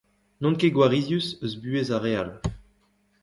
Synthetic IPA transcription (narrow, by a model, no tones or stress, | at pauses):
nɔ̃nkeɡwaʁizjysøzbyezaʁeal